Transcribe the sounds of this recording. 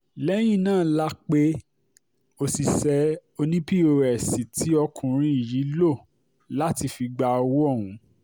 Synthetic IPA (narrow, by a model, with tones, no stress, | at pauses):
lɛ˦j̃ĩ˦˨nãː˦˨˦la˦k͡pe˦ | o˧si˨sɛ˧˦o˧nĩ˦pi˦o˨ɾɛ˨si˨tʰi˨˦ɔ˧kʰũ˨ɾ̃ĩ˧i˨ji˨˦lo˦˨ | la˦ti˧fi˧ɡ͡ba˧wo˦ɔ˦˨w̃ũ˨˦